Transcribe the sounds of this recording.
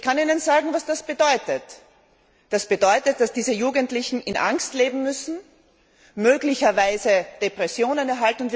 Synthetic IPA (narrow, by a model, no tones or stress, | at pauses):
ɪçkʰaniːnənzaːɡŋ̩vasd̥asb̥ədɔʏtət | d̥asb̥ədɔʏtət̚d̥asd̥iːzəjuːɡəntlɪçn̩ɪnʔa̰ŋstleːbm̩mʏsn̩ | møːɡlɪçɐvaɪzəd̥epʁ̥ɛsjoːnənɛɐɦaltn̩ʊntvi